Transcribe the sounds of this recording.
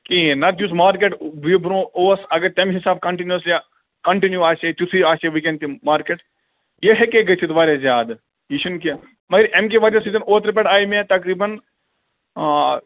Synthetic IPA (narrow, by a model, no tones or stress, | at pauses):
kĩnɐd͡ʒ̪usmaːɾkeːʈʋibɾõoːsɐɡɐɾt̪ɐmɦisaːb̚kɐɳʈinjuɐsli | kɐɳʈinjuaːt͡ʃet̪ut̪ʰiaːt͡ʃeʋikẽɳɖt̪imaːɾkeʈ | jeɦekeɡɐt͡ʃʰit̪ʋaːɾjazjaːd̪ | jiʃunki | mɐɡɐɾʔemk̬eʋaːɾasiːzɐnoːt̪ɾpeɖaːjmẽt̪ɐkɾiːbɐn